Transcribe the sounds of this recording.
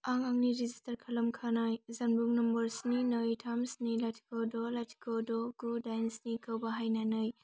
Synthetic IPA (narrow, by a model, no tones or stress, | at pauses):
aŋaŋniɾizistɐɾkʰɐlɐmkʰanajzɐnbuŋnɔmbɐɾsninɯjtʰamsnilatʰi̥kɔdɔlatʰi̥kɔdɔɡudajnsnikɐwbɐɦajnanɯj